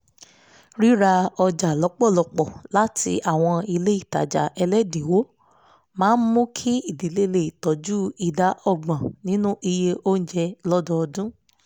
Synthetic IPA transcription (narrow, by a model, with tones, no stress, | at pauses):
ɾi˦ɾa˧ɔ˧d͡ʒa˨lɔ˨˦k͡pɔ˦˨lɔ˧˨k͡pɔ˨la˨˦tʰḭ˧˦ʔa˦˨w̃ɔ̃˧i˧le˦i˦˨ta̰˨d͡ʒa̰˨ʔɛ˧lɛ˦dĩ˨˦wo˦ | mãː˨˦n̩˦mũ˦kʰi˦i˦˨di˨˦le˦˧le˨i˨tɔ˨˦d͡ʒu˦i˦˨da˨˦ʔɔ˦˨ɡ͡bã˨nĩ˦nũ˦ʔi˧je˧ʔo˦n̩˦d͡ʒɛ˧lɔ˦dɔ˧ɔ˧dũ˦